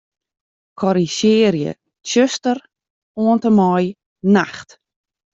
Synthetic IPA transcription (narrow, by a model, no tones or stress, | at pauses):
kʰɔɾisɪːrjə̰ | t͡ʃøstər | oəntəmɔj | naxt